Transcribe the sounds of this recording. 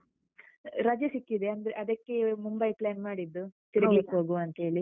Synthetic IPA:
ɾɐd͡ʒɐsikːid̪e̞ɐnd̪ɐɾeʔɐd̪ɐkːe̞mumbɐjplaːnmaːɽid̪ːut̪iɾɐɡɐlikːɦoːɡuɐnt̪ɐe̞ːɭi

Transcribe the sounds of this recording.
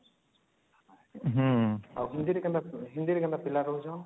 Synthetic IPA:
ɦawɦind̪iɾɛkand̪aɦind̪iɾɛkand̪apilaɾɔɦud͡ʒɔ̃

